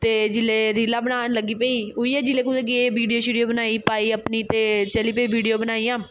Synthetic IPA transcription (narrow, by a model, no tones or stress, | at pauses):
t̪eːd͡ʒɪleːɾilaːbənaːnləɡiːpəiːɦʊiːɛːd͡ʒɪleːkʊd̪eːkieːʋiːɖijoːʃiːɖioːbənaːiːpaːiːəpniːt̪eːt͡ʃəliːpeiːʋiːɖijoːbənaːiːãː